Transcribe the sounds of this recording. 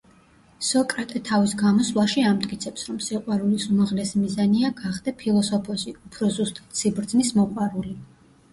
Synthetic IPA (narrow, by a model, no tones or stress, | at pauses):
sɔkʼɾat̪ʼɛt̪ʰavisɡamɔswlˠaʃiamt̪ʼkʼit̪sʰɛpsɾɔmsiqʼwaɾulisumaʁlɛsimizaniaɡaχd̪ɛpʰilˠɔsɔpʰɔsiupʰɾɔzust̪ʼḁt̪ʰsibɾd̪znismɔqʼwaɾuli